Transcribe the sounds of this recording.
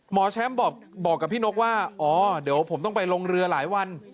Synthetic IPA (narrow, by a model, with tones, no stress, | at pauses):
mɔː˩˦t͡ɕʰɛ˦˥mbɔː˨˩k̚ | bɔː˨˩kːa˨˩pʰːiː˥˩no˦˥k̚waː˥˩ʔɔː˩˦di˩˦əwpʰo˩˦mt̪ɔ˥˩ŋpa˧jlo˧ŋɾɯ˧ɐlaː˩˦jwa˧n